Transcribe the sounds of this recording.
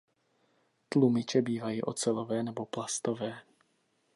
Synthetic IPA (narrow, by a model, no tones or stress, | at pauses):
t̪lumɪt͡ʃɛbiːvajiːʔɔ̰t͡sɛlɔvɛːnɛbɔplast̪ɔvɛː